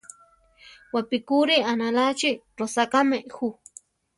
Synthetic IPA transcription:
wapikuɾianalat͡ʃi | ɾosakameʔxu

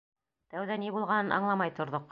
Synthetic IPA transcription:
t̪æwðænibulˠʁɑnɤnʔɑ̰ɴlˠɑmɑjt̪ŏɾðoq

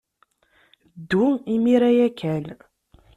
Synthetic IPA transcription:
d̪ːuimiɾæjækːæl

